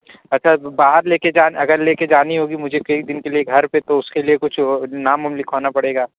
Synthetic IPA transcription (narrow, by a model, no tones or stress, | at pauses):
ɐtːʃʰabaːɦəɾleːked͡ʒaːnɐɡəɾleːked͡ʒaːniɦoːɡimʊd͡ʒʱekɐikd̪ɪnkelieɡʱɐɾpet̪oʊskeliekʊt͡ʃʰnaːmʊmlɪkʰaːnapɐɽeːɡaː